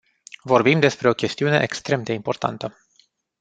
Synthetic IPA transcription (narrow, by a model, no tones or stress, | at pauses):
vo̞rbimd̪e̞spɾe̞o̞kʲe̞st̪iune̞ʔekst̪ɾe̞md̪e̞impo̞rt̪a̰nt̪ə